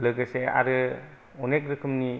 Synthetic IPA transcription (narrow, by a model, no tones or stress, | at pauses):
lɯɡɯsea̰ɾɯ | ɔnek̚ɾɯkʰɯmni